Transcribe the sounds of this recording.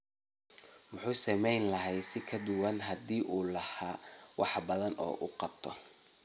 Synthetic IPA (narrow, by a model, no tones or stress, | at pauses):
mʊħuːsɐmɛjnlɐɦɛjsɪkʰɐd̪ʊwɑnɦɐd̪iːʔuːlɐhaːwɑħbɐðɐnʔɔ̰ːʔṵqɑb̚t̪ʰɔ